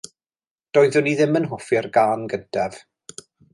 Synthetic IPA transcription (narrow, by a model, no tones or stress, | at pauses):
d̥ɔːjðʊniðɪmənɦʊfirɡaːnɡəndʰɛv̥